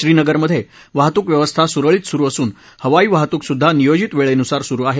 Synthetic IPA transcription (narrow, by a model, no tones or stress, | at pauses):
ɕɾiːnəɡəɾməd̪ʱːje | ʋaɦt̪uːkʋjəʋəst̪ʰasuɾəɭiːt̪suɾuːəsuːn | həʋaiːʋaɦt̪uːksud̪ʱːanijod͡ʑit̪ʋeɭenusaɾsuɾuːaɦe